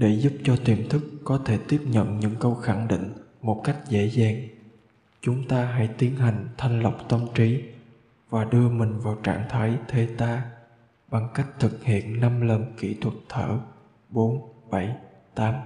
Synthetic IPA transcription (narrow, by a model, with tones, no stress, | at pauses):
ɗe˧˩zʊ˦˥p̚t͡ɕɔ˧t̪i˨˩mt̪ʰɨ˦˥kːɔ˨˦t̪ʰe˧˩t̪i˦˥əp̚ɲə̰˧˨nɲɨ̰˧˥ŋkə˧wxa˧˩ŋɗḭ˧˨ŋ̟ | mo˨˩t̚ka˦˥jk̟̚zḛ˧˥zaː˨˩ŋ | t͡ɕʊ˨˦ŋ͡mt̪aː˧ɦa̰˧˥jt̪i˨˦ənɦa˨˩jŋ̟t̪ʰa˨˧jŋ̟lə˨˩wk͡p̚t̪ə˧mt͡ɕi˨˦ | vaː˨˩ɗɨ˧əmï˨˩ŋ̟vaː˨˩wt͡ɕaː˧˩ŋt̪ʰaː˨˦jt̪ʰe˧t̪aː˧ | ɓa˨˩ŋka˦˥jk̟̚t̪ʰɨ˨˩k̚hḭ˧˨ənna˧mlə˨˩nkḭ˧˩t̪ʰwə˨˩t̚t̪ʰə̰ː˧˩ | ɓo˨˦nɓa˧˩j | t̪aː˨˦m